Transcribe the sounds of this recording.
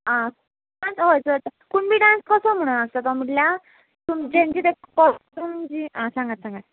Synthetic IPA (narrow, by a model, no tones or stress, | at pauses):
ã | ãnsɦojt͡sət̪kuɳbiɖãnskəsəm̤əɽ̃ast̪at̪ɔm̤iʈlja | t̪umd͡ʑẽnd͡ʑit̪ekɔɾumnd͡ʑiãsãŋɡat̪sãŋɡat̪̚